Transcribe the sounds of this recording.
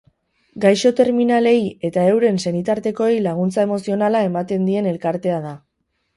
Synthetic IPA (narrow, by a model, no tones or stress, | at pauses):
ɡajʃo̞t̪e̞ɾminale̞je̞t̪ae̞wɾe̞nse̞nit̪aɾt̪e̞ko̞ejlaɣ̞unt͡sae̞mo̞sio̞nalae̞mat̪e̞nd̪ie̞ne̞lkaɾt̪e̞aða